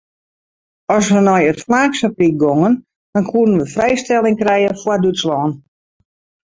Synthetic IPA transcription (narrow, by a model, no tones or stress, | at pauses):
ɔsʋənɔjətflaːksaprik̚ɡoŋən | d̥ɔnkʰuədənʋəfrɛjstɛlˠɪŋkrɛjəfwadutslɔːn